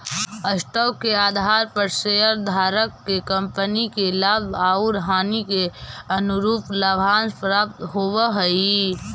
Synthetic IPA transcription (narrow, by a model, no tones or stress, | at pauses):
əsʈəwkeaːd̪ʱaːɾpəɾseɦəɾd̪ʱaːɾəkːekə̃mpənikelabaːuɾəɦaːnikeɐnʊɾuːplabʱaːnpɾaːp̚t̪ɦoːwɦəi